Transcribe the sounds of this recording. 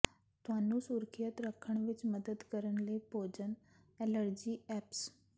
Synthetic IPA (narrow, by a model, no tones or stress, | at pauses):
t̪ʊaːnũːsuːɾkʰijət̪ɾəkʰːəɳʋɪt͡ʃməd̪əd̪kəɾəɳləiːpoːd͡ʒən | ɛləɾd͡ʒiːɛːps